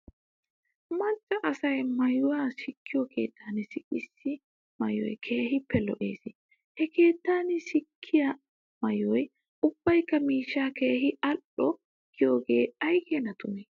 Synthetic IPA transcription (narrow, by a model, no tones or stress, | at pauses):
mɐt͡ʃʼːɐʔɐsɐjmɐjʊwaːsɪkːɪjɔkʰe̞̰ːt̪ʰːaːnɪsɪʔʼɪsːɪ | mɐjɔ̰jkʰe̞ːhɪpːɛlɔʔeːsɪ | hɛkʰe̞ːt̪ːaːnɪsɪkʰːɪjɐ | mɐjɔj | ʔʊb̥ːɐjkːɐmiːʃːaːke̞ːhɪɐʔɔ | kʰːɪjoːɡe̞ːɐjɡɛnɐt̪ʊnɛ